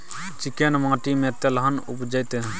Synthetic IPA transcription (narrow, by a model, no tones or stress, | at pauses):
t͡ʃikenmãːʈimẽt̪elɦənupd͡ʒəjt̪e